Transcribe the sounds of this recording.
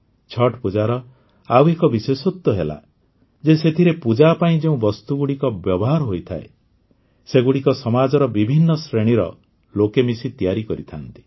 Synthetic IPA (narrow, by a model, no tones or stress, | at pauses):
t͡ʃʰɔʈpud͡ʒaɾɔ | awekɔbisesot̪ːɔɦela̰ | d͡ʒeset̪ʰiɾepud͡ʒapaĩd͡ʒeũbɔst̪uɡuɽikɔbjɔbɔɦaɾɔɦojt̪ʰae | seɡuɽikɔsɔmad͡ʒɔɾɔbibʱinːɔsɾeɽ̃iɾɔ̰ | lokemisit̪ijaɾikɔɾit̪ʰant̪i̥